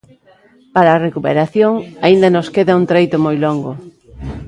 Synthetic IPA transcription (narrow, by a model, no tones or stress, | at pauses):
paɾaːrekupeɾaθjoŋaind̪ɐnoskeðɐunt̪ɾejt̪ʊmojloŋɡʊ